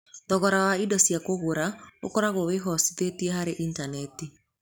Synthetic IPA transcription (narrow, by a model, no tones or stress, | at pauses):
dɔɣɔɾawaidɔsjakoɣoɾao̰kɔɾaɣoweɦɔsiðetiɛɦaɾeʔintanɛti